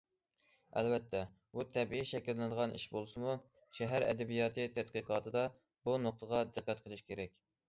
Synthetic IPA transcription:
ɛ̰lvɛt̪ʰːɛ | but̪ʰɛbiiʃɛkʲɪlːɪnɨd̪əʁɑnʔḭʃbolˠsɨmu | ʃɛɦæɾɛ̰d̪ɛbijɑːt̪ʰɨt̪ʰɛd̪qiqɑːt̪ʰɨd̪ɑ | bunoq̚t̪əʁɑd̪ɪqːæt̪qʰəlˠɪʃkʲʰeɾɛk̚ʲ

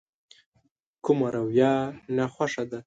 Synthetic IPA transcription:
kʊmaɾawjɑnaxʷwaʂad̪a

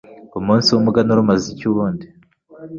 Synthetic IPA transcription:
umuːnsiwumuɡanuɾumazicuβuːndi

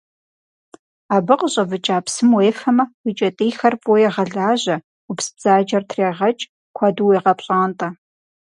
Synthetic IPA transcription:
aːbɨqəɕʼɐvɨt͡ʃʼaːpsɨmweːfɐmɐwit͡ʃʼɐtʼiːjxɐrpʼojɛʁɐɮaːʑɐ | upsɨ̥bz̥aːd͡ʒɐrtʰreːʁɐt͡ʃʼ | kʷʰɑduweːʁɐpʼɕʼaːntʼɐ

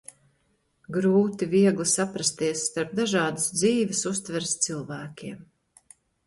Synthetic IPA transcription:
ɡɾuːt̪iviɛɡlˠisapɾast̪iɛsːt̪aɾp̚d̪aʒɑːd̪əsd̪ziːvʲɪsust̪vɛɾst̪silˠvæːkʲiɛm

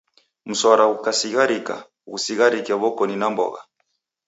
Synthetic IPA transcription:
m̩swaɾaukasiɣaɾika̰ | ɣusiɣaɾikiaβɔkɔninambɔ̰ɣa̰

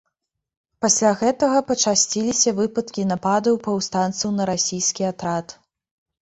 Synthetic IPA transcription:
pasʲlʲaɣɛt̪ɐɣɐpɐt͡ʂasʲt͡sʲilʲisʲɐvɨpɐt̪kʲinapad̪ɐwpɐwst̪ant̪sunɐɾasʲijskʲiat̪ɾat̪

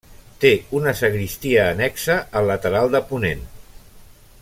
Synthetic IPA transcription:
t̪eunəsəɣɾist̪iəːnɛksəəlːət̪əɾalˠd̪əpunen

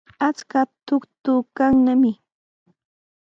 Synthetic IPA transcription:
at͡skat̪ʊkt̪ʊkaŋnamɪ

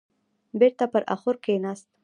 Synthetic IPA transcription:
beɾt̪apəɾʔa̰xʊɾkenast̪

